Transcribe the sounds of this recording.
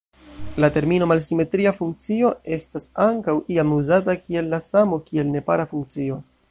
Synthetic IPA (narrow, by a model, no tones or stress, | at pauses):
late̞ɾmino̞malsime̞tɾiafuŋk̚t͡sio̞e̞stasaŋkawʔiamuzatakie̞lːasamo̞kie̞lne̞pa̰ɾafuŋk̚t͡sio̞